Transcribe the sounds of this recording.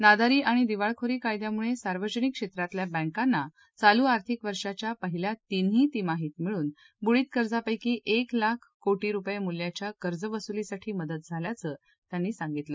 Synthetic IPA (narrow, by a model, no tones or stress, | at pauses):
nad̪aɾiːʔaɽ̃id̪iʋaɭkʰoɾiːkajd̪jamuɭesaɾʋəd͡ʑənikːʂet̪ɾat̪ljabə̃ŋkanːa | t͡saluːaɾt̪ʰikʋəɾʂat͡ɕjapəɦiljat̪in̤iːt̪imaɦiːt̪miɭuːn | buɭiːt̪kəɾd͡zapəjkiːʔeklakʰkoʈiːɾupjemuljat͡ɕjakəɾd͡zəʋəsulisaʈʰiːməd̪ət̪̚d͡zʱaljat͡səː | t̪janːiːsãŋɡit̪ləː